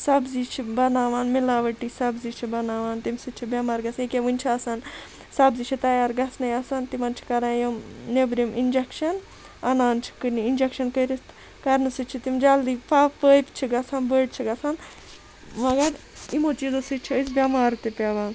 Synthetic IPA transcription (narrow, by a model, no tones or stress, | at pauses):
sɐbzit͡ʃʰibɐnaːʋaːnmilaːʋɐʈisɐbzit͡ʃʰibɐnaːʋaːnt̪imʲsɨt͡ʃʰibʲamaːɾɡɐsnikʲeʋɨnʲt͡ʃʰiɐsan | sɐbzit͡ʃʰit̪ɐjaːɾɡɐsnɐjɐsant̪imɐnt͡ʃʰi̥kɐɾãːjɐmnebɾimind͡ʒekʃɐn | ɐnaːnt͡ʃʰi̥kɨniind͡ʒekʃɐnkəɾist̪ | kɐɾnɨsɨt͡ʃʰit̪imd͡ʒaːld̪ipʰapəːjpt͡ʃʰiɡɐsanbəːɖt͡ʃʰiɡɐsan | mɐɡɐɾ | imoːt͡ʃizosɨt͡ʃʰiəsbʲjɐmaːɾt̪ipʲaʋaːn